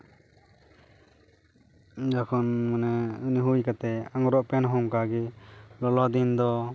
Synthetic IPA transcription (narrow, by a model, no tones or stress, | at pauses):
d͡ʒakʰɔnmɔnɛniɦujkat̪ɛaŋɾɔʔpɛnɦɔŋkaɡilɔlɔd̪ind̪ɔ